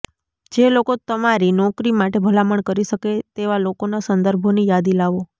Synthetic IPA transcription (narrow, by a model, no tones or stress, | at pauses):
d͡ʒelokot̪əmaɾinɔkɾimaʈebʱəlaməɳkəɾiʃəket̪eʋalokonasənd̪əɾbʱonijad̪ilaʋo